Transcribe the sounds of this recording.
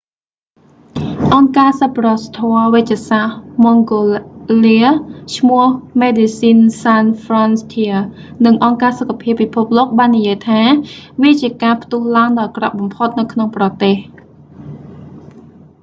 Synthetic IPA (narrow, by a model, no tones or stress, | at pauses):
ʔɑŋkaːsapːrɑst̪ʰoəʋɨc̚t͡ɕɛsahmoŋɡoliət͡ɕʰmʊəhmeːɗisiːnsanfrɑnst̪ʰiə | nɨŋʔɑŋkaːsokʰːapʰiəpːipʰup̚loːk̚ɓaːnːijiəjt̪ʰaːʋiət͡ɕiəkaːpʰt̪uəhlaəŋɗɑːlkrɑ̰ʔɓɑmpʰot̪̚nɨwkʰnoŋprɑt̪eːh